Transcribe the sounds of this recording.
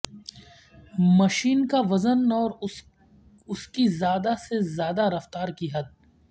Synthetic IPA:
mɐʃiːnkaʋɐzənɔːɾ | ʊskizjaːd̪asezjaːd̪aɾɐft̪aːɾkiɦɐd̪̚

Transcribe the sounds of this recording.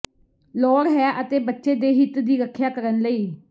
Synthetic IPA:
lɔːɾɦɛːʔət̪eːbətːʃeːd̪eːɦɪt̪d̪iːɾəkʰːjaːkəɾənləiː

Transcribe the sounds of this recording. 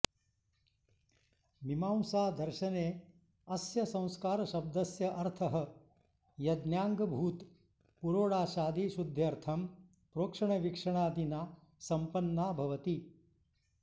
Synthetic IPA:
mimaːwsaːd̪ɐɾʃɐneː | ɐsjɐsɐ̃w̃skaːɾɐʃɐb̚d̪ɐsjɐʔɐɾt̪ʰɐɦɐ̆ | jɐd̪njaːŋɡɐbʱuːt̪ | puɾoːɽaːʃaːd̪iʃud̪ʱjɐɾt̪ʰɐm | pɾoːkʂɐɳɐʋikʂɐɳaːd̪inaː | sɐmpɐnːaːbʱɐʋɐt̪i

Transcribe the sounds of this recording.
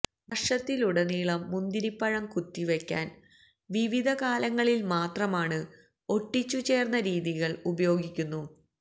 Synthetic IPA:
ʋɐʂɐt̪ːiluɽeniːɭɐmːund̪iɾipːɐɻɐmkut̪ːiʋe̞kʲːa̰ːn | ʋiʋid̪ʱɐkaːlɐŋːɐɭilmaːt̪rɐmaːɳɨ | o̞ʈːit͡ɕːut͡ɕe̞ːrnːɐɾiːðiɣɐɭubɐjo̞ːɡikʲːunːu

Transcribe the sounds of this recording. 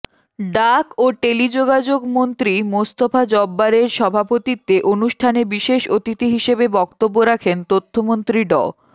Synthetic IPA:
ɖakoʈelid͡ʑoɡad͡ʑoɡmont̪ɾimost̪ofʰad͡ʑɔbːaɾeɾʃɔbʱapot̪it̪ːeʔonuʃʈʰanebiʃeʃot̪it̪iɦiʃebebɔkt̪obːoɾakʰent̪ot̪ʰːomont̪ɾiɖɔ

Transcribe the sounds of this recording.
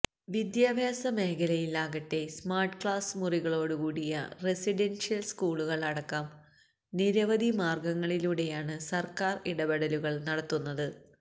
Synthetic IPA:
ʋid̪jaːbʱjaːsɐme̞ːkʰɐlɐjilaːɣɐtːe̞smaːrʈkɭaːsmuriɣɐɭo̞ːɽɨkuːɽijɐ̰resiɖenʂjɐlskuːɭuɣɐɭɐɽɐkːɐm | niɾɐʋɐd̪ʱimaːrɡɐŋːɐɭiluɽe̞jaːɳɨsɐrkaːriɽɐbeɽɐluɣɐɭnɐɽɐt̪ːunːɐðɨ

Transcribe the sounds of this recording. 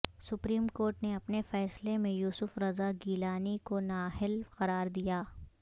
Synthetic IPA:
sʊpɾiːmkoːɾʈneɐpnefɛːslemẽjuːsʊfɾɐzaɡiːlaːnikonaːɦɪlqɐɾaːɾd̪ijaː

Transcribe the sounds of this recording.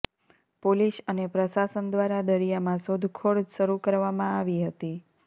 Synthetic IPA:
poliʃənepɾəsasənd̪ʋaɾad̪əɾijamãsod̪ʱkʰoɽʃəɾukəɾʋamãaʋiɦət̪i

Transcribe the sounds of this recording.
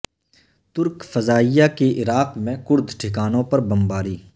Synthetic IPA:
t̪ʊɾkfɐzaːijakeʔɪɾaːqmẽkʊɾd̪ʱʈʰɪkaːnõpɐɾbɐmbaːɾiː

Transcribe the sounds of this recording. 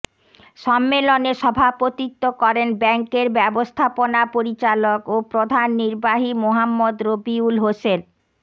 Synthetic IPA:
ʃɔmːeloneʃɔbʱapot̪it̪ːokɔɾenbɛŋkeɾbɛbost̪ʰaponapoɾit͡ɕalokopɾod̪ʱanːiɾbaɦimoɦamːod̪ɾobiulɦosen

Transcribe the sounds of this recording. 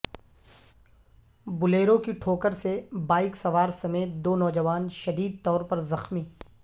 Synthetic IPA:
bʊleːɾõkiʈʰoːkəɾsebaːɪksɐʋaːɾsɐmeːt̪̚d̪oːnɔːd͡ʒɐʋaːnʃɐd̪iːd̪̚t̪ɔːɾpɐɾzɐxmiː

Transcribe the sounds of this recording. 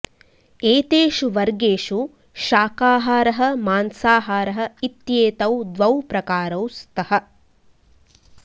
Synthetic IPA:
eːt̪eːʃuʋɐɾɡeːʃu | ʃaːkaːɦaːɾɐɦɐ̆maːnsaːɦaːɾɐɦɐ̆it̪jeːt̪ɐwd̪ʋɐwpɾɐkaːɾɐwst̪ʰɐhɐ̆

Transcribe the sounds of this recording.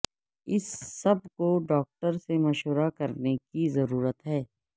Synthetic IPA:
ɪsːɐb̚koɖɔːk̚ʈəɾsemɐʃʋəɾakɐɾnekizɐɾuːɾət̪ɦɛː

